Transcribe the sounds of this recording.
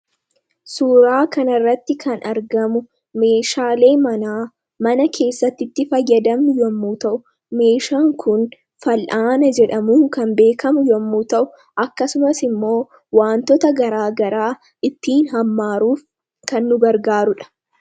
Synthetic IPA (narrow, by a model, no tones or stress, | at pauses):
suːɾaːkɐnɐrːɐt̪ːɪkʰɐnɐɾɡɐmʊ | me̞ːʃaːle̞ːmɐnaː | mɐnɐkʰe̞ːsːɐt̪ːɪt̪ːɪfɐjːɐd̪ɐmnʊjɔmːuːt̪ɐʔʊ | me̞ːʃaːŋkʰʊn | fɐlʔaːnɐd͡ʒɛᶑɐmuːŋkɐnbe̞ːkʰɐmʊjɔmːuːt̪ɐʔʊ̥ | ʔɐkːɐsʊmɐsɪmːo̞ː | waːnt̪ɔt̪ɐɡɐɾaːɡɐɾaː | ɪt̪ːiːnɦɐmːaːɾuːf | kɐnːʊɡɐɾɡaːɾʊᶑɐ̥